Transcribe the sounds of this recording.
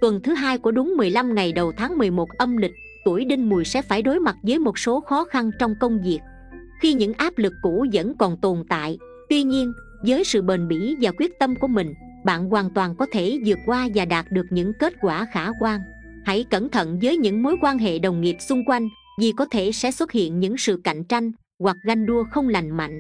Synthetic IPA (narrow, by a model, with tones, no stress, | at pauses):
t̪wə˨˩nt̪ʰɨ˨˦ɦaː˧jku˧˩əɗʊ˨˦ŋ͡mmɨ˨˩əjla˧mŋa˨˩jɗə˨˩wt̪ʰaː˨˦ŋmɨ˨˩əjmo˨˩t̚ʔə˧mlï˨˩k̟̚ | t̪u˧˩əjɗi˧ŋ̟mu˨˩əjsɛ̰˧˥faː˧˩jɗo˨˦jma˨˩t̚zəː˨˦jmo˨˩t̚so˨˦xɔ˨˦xa˧nt͡ɕɔ˧wŋ͡mkə˧wŋ͡mvi˨˩ək̚ | xi˧ɲɨ̰˧˥ŋʔaː˦˥p̚lɨ˨˩kːṵ˧˥zə̰˧˥nkɔ˨˩nt̪o˨˩nt̪a̰ː˧˨j | t̪wi˧ɲi˧ən | zəː˨˦jsɨ̰˧˨ɓe˨˩nɓḭ˧˩vaː˨˩kwi˦˥ət̚t̪ə˧mku˧˩əmï˨˩ŋ̟ | ɓa̰ː˧˨nkwaː˨˩nt̪waː˨˩nkɔ˨˦t̪ʰe˧˩zɨ˨˩ət̚kwaː˧vaː˨˩ɗaː˨˩t̚ɗɨ˨˩ək̚ɲɨ̰˧˥ŋke˦˥t̚kwaː˧˩xaː˧˩kwaː˧ŋ | ha̰˧˥jkə˧˩nt̪ʰə̰˧˨nzəː˨˦jɲɨ̰˧˥ŋmo˨˦jkwaː˧nɦḛ˧˨ɗə˨˩wŋ͡mŋi˨˩əp̚sʊ˧ŋ͡mkwa˧jŋ̟ | vi˨˩kɔ˨˦t̪ʰe˧˩sɛ̰˧˥swə˦˥t̚hḭ˧˨ənɲɨ̰˧˥ŋsɨ̰˧˨ka̰˧˨jŋ̟t͡ɕa˧jŋ̟ | ɣwa˨˩k̚ɣa˧jŋ̟ɗu˧əxə˧wŋ͡mla˨˩jŋ̟ma̰˧˨jŋ̟ʔ